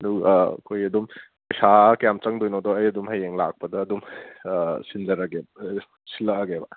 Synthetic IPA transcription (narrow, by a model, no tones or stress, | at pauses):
ɐduɡkʰojɐdum | pɐjsakɐjamt͡ʃɐŋdojnodɔɐjɐdumhɐjeŋla̰k̚pɐdɐːdum | sinzɐɾɐɡeb | silɐɐɡebɐ